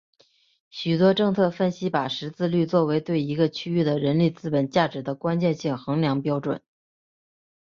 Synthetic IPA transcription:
ɕy˨˩t̪wɔ˥ʈ͡ʂɤ˥˧ŋt͡sʰɤ˥˧fə˥˧nɕi˥pa˨˩ʂɻ̩˧˥t͡sɹ̩˥˧ly˥˧t͡swɔ˥˩we˧˥ɪt̪we˥˩ɪi˧˥ɡə˧t͡ɕʰy˥y˥˩d̪ə˩ɻə˧˥nle˥˩t͡sɹ̩˥˩pə˨˩nt͡ɕja˥˩ʈ͡ʂɻ̩˧˥d̪ə˧kwa˥nt͡ɕjɛ˥˧nɕi˥˩ŋxɤ˧˥ŋljɑ˧˥ŋpjɑ˥ʊʈ͡ʂwə̰˨˩˦n

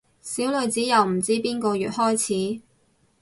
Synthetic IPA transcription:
siː˨˥wlɵ˨˧ɥt͡siː˨˥jɐ˨wm̩˨˩t͡siː˥piː˥nkɔː˧jyː˨t̚hɔː˥jt͡sʰiː˨˥

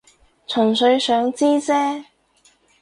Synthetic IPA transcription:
t͡sʰɵ˨˩nsɵ˨˧ɥsœː˨˥ŋt͡siː˥t͡sɛː˥

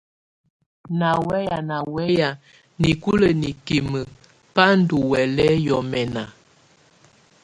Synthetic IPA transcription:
na˨wɛ˦ja˨na˨wɛ˦ja˨ | ni˨ku˦lə˨ni˨ki˨mə˨ | pa˦n̩˦du˨wɛ˨lɛ˦jɔ˨mɛ˨na˨

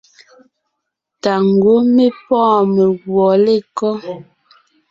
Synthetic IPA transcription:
ta˨ŋ̩˨ɡwo˦me˦pɔ̃ː˦˨me˨ɣwɔ˨le˦˨kɔ˦

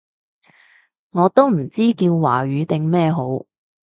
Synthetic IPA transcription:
ŋɔː˨˧t̪o˥wm̩˨˩t͡siː˥kiː˧wːa̰ː˨˩ɥyː˨˧˥t̪ɪ˨ŋmɛː˥˧ɦo˨˥w

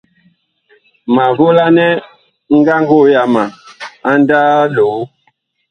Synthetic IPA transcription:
ma˨vo˦la˦nɛ˦ | ŋ̩˦ɡa˦ŋ˦ɡo˦˨ja˨ma˨a˦n˦da˦lo˨˦

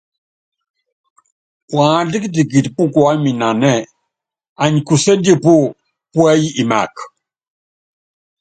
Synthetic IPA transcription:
pwa˨˦di˦ki˦ti˨k̬i˨ti˨pu˦kwa˦mi˨na˨nɛ˦˨ | a˨ɲi˨ku˨sɛ˦ndi˦˨pu˦ | pu˦ɛ˦ji˦i˨ma̰˨k

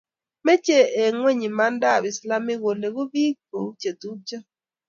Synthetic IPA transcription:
me˦t͡ʃe˦˨e˨ŋwe˦˨ɲi˨ma˦nda˦˨bɪ˨sla˦mɪ˦ɣo˨ne˨ɣo˦bi˦k̚o̰˨u˦t͡ʃe˨tu˦t͡ʃa˦

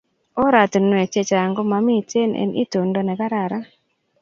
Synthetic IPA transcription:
ɔ˦ɾa˨tnwɛ˨t͡ʃe˦˨t͡ʃa˨ŋɡo˦ma˨mi˦te˦nʔḛ˨nʔḭ˦to˨ndo˦nɛ˨ka˦ɾa˨ɾa˦

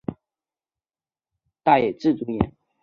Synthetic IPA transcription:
t̪a˥˩jɛ˨˩ʈ͡ʂɻ̩˥˩t͡su˧˥jɛ˧˥n

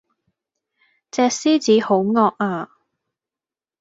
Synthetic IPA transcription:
t͡sɛː˧k̚siː˥t͡siː˨˥ho˨˥wŋɔː˧k̚aː˧

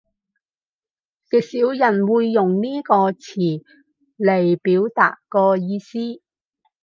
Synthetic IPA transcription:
t͡sɪ˨k̚siː˨˥wjɐ˨˩nwuː˨˧jːʊ˨ŋniː˥kɔː˧t͡sʰiː˨˩ | le˨˩jpiː˨˥wt̪a̰ː˨tkɔː˧jiː˧siː˥

